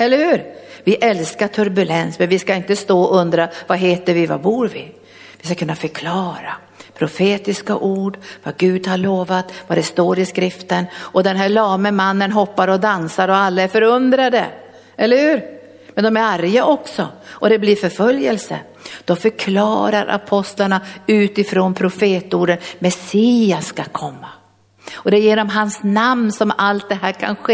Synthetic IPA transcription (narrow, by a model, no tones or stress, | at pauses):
ɛlːəɾhʉ̟ːɾvɪʔɛlskaʈʰɵɾbɵlɛnsmɛnvɪskaɪnt̪əst̪oːɵnd̪ɾavaɦeːt̪əɾvɪva̰buːɾvɪ | vɪskakʰɵnːafœkʰlɑːɾa | pʰɾʊfeːt̪ɪska̰ʔuːɖvaɡʉ̟ːd̪haɾɭoːvat̪vad̪ɛst̪oːɾɪskɾɪft̪ənɔd̪ɛnɦæɭɑːməmanːənɦɔpːaɾɔd̪ansaɾɔalːaæɾfœɾɵnd̪ɾad̪ə̰ | ɛlːəɾhʉ̟ːɾ | mɛnd̪ɔmæɾaɾjaʔɔksɔʔɔd̪ɛblɪɾfœɾfœljəlsə̰ | d̪̥ɔmfœɾkʰlɑ̰ːɾa̰ɾʔa̰pʰɔst̪laɳaʉ̟ːt̪ɪfɾoːnpʰɾʊfeːt̪uːɖənmɛsiːasːkakʰɔmːa | ɔd̪ɛjeːnɔmɦansnamnsɔmalt̪̚d̪ɛɦæːɾkʰa̰nɧeː